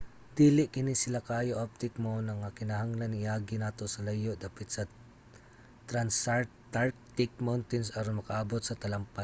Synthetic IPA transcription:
d̪iːlɪʔkɪnɪsɪlakaːjoʔap̚t̪ɪkmonɐŋakɪnaɦaŋlanŋɪaːɡɪnaːt̪osɐlajoʔd̪aːpɪt̪sɐ | t̪ɾansat̪aɹk̚t̪ɪk̚mawnt̪ɪnsɐɾonmɐkaʔabot̪sɐt̪ɐlampa

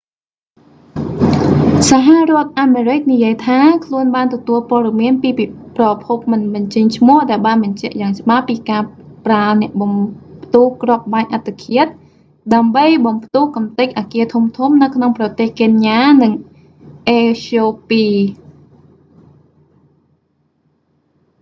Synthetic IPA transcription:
saɦarŏət̪̚ʔaːmeːɾɨk̚nijiəjt̪ʰaːkʰluənɓaːnt̪ɔt̪uəlpŏəɗɑmiənpiːiprɑpʰup̚mɨnɓɑɲt͡ɕəɲt͡ɕʰmʊ̆əhɗaɛlɓaːnɓɑɲt͡ɕɛ̆ʔjaːŋt͡ɕə̆ɓapːiːkaːpranɛ̆əʔɓɑmpt̪uːhkrŏəp̚ɓaːɲʔat̪ʰːekʰiət̪̚ | ɗaəmɓəjɓɑmpt̪uːhkɑmt̪ɨc̚ʔaːkiət̪ʰumt̪ʰumnɨwkʰnoŋprɑt̪eːhkeːnjaːnɨŋ | ʔeːsoːpiː

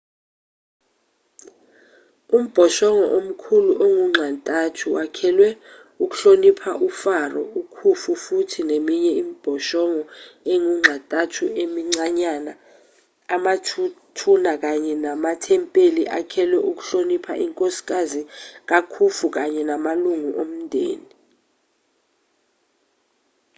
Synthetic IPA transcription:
um̩b̥ʱɔʃɔŋɔʔom̩kʰuluʔoŋuŋ͡ǁʱantʼatʰuwakʰɛlwɛ | uk̬u̥ɬonipʰaʔufarɔ̰ukʰufufutʰinemiɲɛimib̥ʱɔʃɔŋɔeŋuŋ͡ǁʱantʼatʰuemiŋ͡ǀaɲanaː | matʰunak̬aɲɛnamatʰɛmpʼeliʔa̰kʰɛlwɛʔuk̬uɬonipʰa̰ʔiŋkʼosi̥k̬ʼazik̬akʰufuk̬aɲɛnamaluŋuʔom̩ndʱḛːni

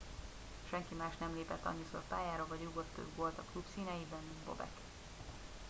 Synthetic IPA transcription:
ʃɛŋkimaːʃnɛmleːpɛt̪ːɒ̰ɲːiso̞̰rpaːjaːɾovɒɟjuɡo̞t̪ːø̰bɡolt̪ɒklupsiːnɛjibɛnːnbo̞̰bɛ̰k

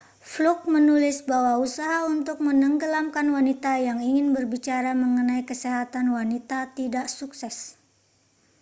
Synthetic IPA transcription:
fluk̚mənulɪsbawausaɦaunt̪ʊk̚mənəŋɡəlamkanwanit̪ajaŋiŋɪnbərbit͡ʃaɾaməŋənajkəsɛɦat̪anwanit̪at̪idaʔsuksɛs

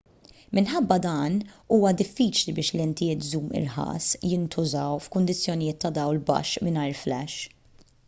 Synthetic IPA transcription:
mɪnħɐbːɐd̪ɐːnuːwɐd̪ɪfːiːt͡ʃlibɪːʃlɛnt̪ɪjɪːt̪zuːmɪ̰ɾħɐ̰ːsjɪnt̪ʊzɐwfkʊnd̪ɪt͡sːjɔnɪjɪːt̪ːɐd̪ɐwlbɐ̰ʃmɪnɐjɾflɛʃ

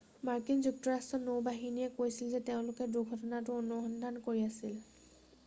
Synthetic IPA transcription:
maɹkinzuk̚tɔɹastɹɔnowbaɦinijɛkojsilzɛteʊ̃lʊkɛduɡʱɔtɔnatʊɔnuxɔndʱankoɹiasil

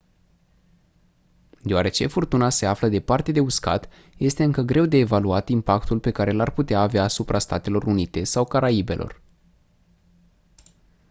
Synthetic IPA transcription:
d̪eoaɾe̞t͡ʃe̞furt̪unase̞afləd̪e̞part̪e̞d̪e̞uska̰t̪ | je̞st̪e̞ɨŋkəɡɾe̞wd̪e̞ːvaluat̪impakt̪ulpe̞kaɾelarput̪eaːveaːsupɾʔast̪at̪e̞lo̞runit̪e̞sawkaɾaibe̞lʔo̞̰r

